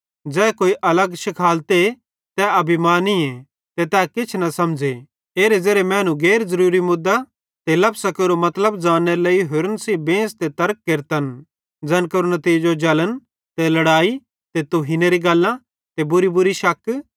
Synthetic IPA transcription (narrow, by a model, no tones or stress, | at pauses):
d͡ʒɛːkoːiʔɐləɡʃɪkʰaːlt̪e | t̪ɛɐbimaːniẽ | t̪et̪ɛːkɪt͡ʃʰnɐsɐmd͡ʒe | eːɾed͡zeːɾemɛ̃ːnũɡeːɾzɐɾuːɾimʊd̪ːa | t̪elɐbsakeːɾomɐt̪ləbd͡ʒaːnːeɾeleːiɦʊɾənsibẽːst̪et̪ɐɾk̚ːeɾt̪ən | d͡zɐnkɐɾunɐt̪iːd͡ʒod͡ʒɐlən | t̪elɐɽaːi | t̪et̪uɦineɾiɡɐlːã | t̪ebʊɾibʊɾiʃɐkː